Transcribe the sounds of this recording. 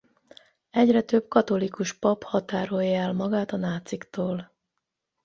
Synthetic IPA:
ɛɟrɛt̪øb̥kɒt̪o̞likuʃpɒphɒt̪aːɾo̞jːɛlmɒɡaːt̪ɒnaːt̪sikt̪oːl

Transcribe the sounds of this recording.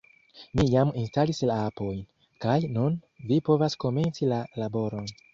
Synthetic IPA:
mijaminstalislaapo̞jn | kajnun | vipo̞vasko̞me̞nt͡silalabo̞ɾo̞n

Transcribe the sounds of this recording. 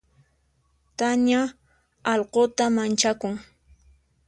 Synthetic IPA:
t̪aɲa | ɑlqot̪amant͡ʃakʊŋ

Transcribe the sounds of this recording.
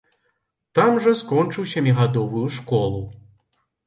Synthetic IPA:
t̪amʐɐskɔnt͡ʂɨwsʲamʲiɣad̪ɔvujuʂkɔlˠu

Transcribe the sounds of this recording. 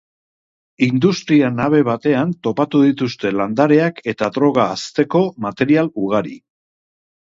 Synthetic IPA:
ind̪ust̪ɾianaβ̞e̞β̞at̪e̞ant̪o̞pat̪uðit̪ust̪e̞land̪aɾe̞akʰe̞t̪aðɾo̞ɣaːst̪e̞ko̞mat̪e̞ɾialuɣ̞aɾi

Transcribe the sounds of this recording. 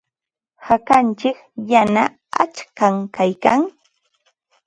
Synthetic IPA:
hakant͡ʃɪkjana | a̰t͡ʃkaŋkajkaŋ

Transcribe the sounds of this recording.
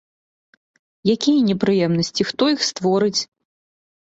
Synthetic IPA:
jakʲijɐnʲɛpɾɨjɛmnɐsʲt͡sʲixt̪ɔixst̪vɔɾɨt͡sʲ

